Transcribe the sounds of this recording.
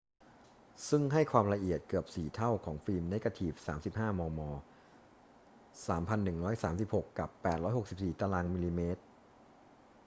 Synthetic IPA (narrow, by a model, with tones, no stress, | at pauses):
sɯ˥˩ŋɦa˥˩jkʰwaː˧mɾa˧ʔi˨˩ət̪̚kɯ˨˩əp̚siː˨˩t̪ʰa˥˩wkʰɔː˩˦ŋfiː˧mne˦˥ka˧t̪ʰiː˨˩p̚saː˩˦msi˨˩p̚haː˥˩mɔː˧mɔː˧ | saː˩˦mpʰa˧nːɯ˨˩ŋɾɔː˦˥jsaː˩˦msi˨˩p̚ho˨˩kːa˨˩pːɛː˨˩t̪̚ɾɔː˦˥jho˨˩k̚si˨˩psiː˨˩t̪aː˧laː˧ŋmiː˧liː˧meː˦˥t̪̚